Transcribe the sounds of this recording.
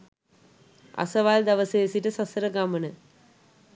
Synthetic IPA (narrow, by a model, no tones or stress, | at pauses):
a̰səʋald̪ɐʋəsejesiʈəsasəɾəɡamənə